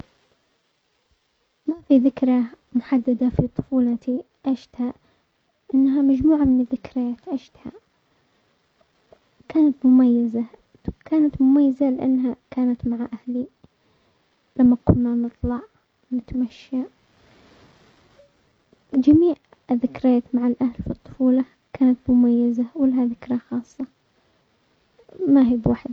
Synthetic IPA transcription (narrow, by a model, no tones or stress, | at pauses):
mafiðɪkɾa | mʊħad̪ːad̪afit̪ˤʊ̥fuːlɑt̪i | ʔaʃt̪ha | ʔɪnːɦamad͡ʒmuːʕamɪnɪðːɪkɾjaːt̪ʔaʃt̪ha̰ | kaːnat̪mʊmajːaza | kaːnat̪mʊmajːazalɪʔa̰nːɦakaːnat̪maʕaʔahli | lamːakʊnːanɨt̪ˤlɑʕ | nɪt̪amaʃːa | d͡ʒamiːʕ | ɪðːɪkɾjaːt̪maʕalʔahlfit̪ˤːʊ̥fuːlɑ | kʰaːnat̪mʊmajːazawɪlahaðɪkɾˤɑxɑːsˤːɑ | maɦiːbwaːħd̪